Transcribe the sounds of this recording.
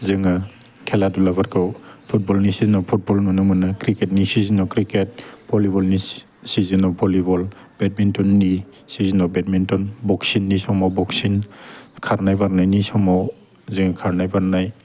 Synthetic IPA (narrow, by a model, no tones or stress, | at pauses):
zɯŋa | kʰeladulabaɾkʰɯwpʰut̚bɔlnisizinɔpʰut̚bɔlnɔnɯmɯnakɾiketnisizinɔkɾiket̚bʰɔlibɔlni | sizinɔbʰʱɔlibɔl | bet̚mintɔnːi | sizinɔbet̚mintɔnbɔksinːisɔmɔbɔksinkʰaɾnajbaɾnajnisɔmɔ | zɯŋakʰaɾnajbaɾnaj